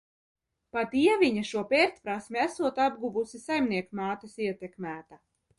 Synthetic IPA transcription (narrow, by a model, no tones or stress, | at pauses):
pat̪iɛvʲiɲaʃuɔpeɾt̪ʲpɾasmʲiæsuɔt̪ab̚ɡuvusisajmniɛkmaːt̪isiɛt̪ekmæːt̪a